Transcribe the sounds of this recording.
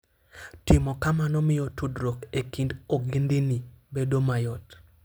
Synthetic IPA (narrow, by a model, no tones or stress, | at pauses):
tɪmɔkamanɔmɪjɔtudɾokekindoɡindinibedomajɔt